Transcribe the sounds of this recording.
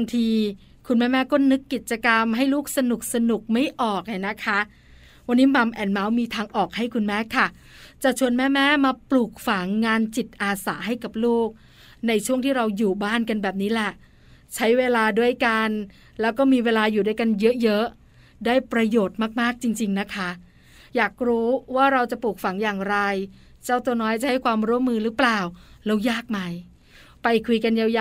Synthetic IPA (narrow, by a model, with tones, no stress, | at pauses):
a˧ŋt̪ʰiː˧ | kʰu˧nmɛː˦˥mɛː˦˥kɔː˥˩nɯ˦˥kːi˨˩t̪̚t͡ɕa˧ka˧mɦa˥˩jluː˥˩k̚sa˧nu˨˩k̚sa˧nu˨˩k̚ma˥˩jʔɔː˨˩k̚ha˨˩na˦˥kʰa˦˥ | wa˧nːiː˦˥ma˧mʔɛː˨˩nma˦˥wmiː˧t̪ʰaː˧ŋʔɔː˨˩k̚ha˥˩jkʰu˧nmɛː˦˥kʰa˥˩ | t͡ɕa˨˩t͡ɕʰu˧ənmɛː˦˥˩mɛː˦˥˨maː˧pluː˨˩k̚fa˨˩˦ŋːaː˧nt͡ɕi˨˩t̪̚ʔaː˧saː˩˦ɦa˥˩jka˨˩p̚luː˥˩k̚ | na˧jt͡ɕʰu˥˩əŋt̪ʰiː˥˩ɾa˧wjuː˨˩baː˥˩nka˧nbɛː˨˩p̚niː˦˥lɛ˨˩ʔ | t͡ɕʰa˦˥jweː˧laː˧du˥˩əjka˧n | lɛː˦˥wkɔː˥˩miː˧weː˧laː˧juː˨˩daː˥˩jka˧njɤ˦˥ʔjɤ˦˥ʔ | daː˥˩jpɾa˧joː˨˩t̪̚maː˥˩k̚maː˥˩k̚t͡ɕi˧ŋt͡ɕi˧ŋna˦˥kʰa˦˥ | jaː˨˩k̚ɾuː˦˥waː˥˩ɾa˧wt͡ɕa˨˩puː˨˩k̚fa˩˦ŋjaː˨˩ŋɾa˧j | t͡ɕaː˥˩wt̪u˧ənɔː˦˥jt͡ɕa˨˩ha˥˩jkʰwaː˧mɾu˦˥ə˨mːɯː˧ɾɯː˦˥plaː˨˩wlɛː˦˥wjaː˥˩k̚ma˧j | pa˧jkʰu˧jka˧nja˧ja˧